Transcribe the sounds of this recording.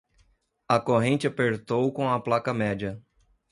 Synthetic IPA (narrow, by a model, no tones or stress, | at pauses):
ɐkoɦẽnt͡ʃɪapeɾt̪owkõɐplakɐmɛd͡ʒɐ